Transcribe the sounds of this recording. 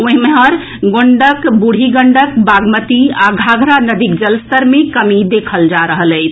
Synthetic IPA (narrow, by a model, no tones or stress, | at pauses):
õɦmeɦəɾ | ɡoɳɖəkbuɽ̤ʱiɡəɳɖəkbaɡmət̪iaɡʱaɡʱɾanəd̪ik̚d͡ʒəlst̪əɾmekəmid̪ekʰəld͡ʒaɾəɦələɪt͡ʃʰ